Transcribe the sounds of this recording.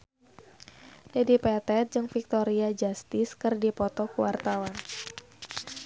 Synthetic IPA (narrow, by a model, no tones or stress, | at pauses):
dɛdipɛt̪ɛt̪̚d͡ʒɨŋfik̚t̪oɾiad͡ʒast̪ɪskɨrdipɔt̪ɔkuwart̪awan